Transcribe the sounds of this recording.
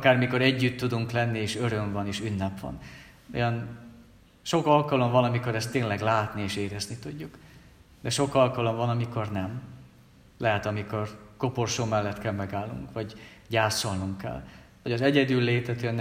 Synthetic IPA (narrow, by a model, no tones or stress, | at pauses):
ɒkaːrmiko̞ɾɛɟːyt̪ːud̪uŋklɛnːieːʃø̞ɾø̞ɱvɒneːʃynːɛpʋɒ̰n | o̰jɒn | ʃo̞kɒlkɒlo̞mvɒnɒmiko̞ɾɛst̪ːeːnlɛɡlaːt̪nieːʃeːɾɛznit̪uɟːuk | d̪ɛʃo̞kɒlkɒlo̞mvɒnɒmiko̞rnɛm | lɛɦɛt̪ɒmiko̞rko̞porʃoːmɛlːɛt̪kɛlmɛɡaːlːṵŋkʋɒɟɟaːso̞lnuŋkːɛ̰l | hɒɟɒzɛɟɛd̪ylːeːt̪ɛt̪ønː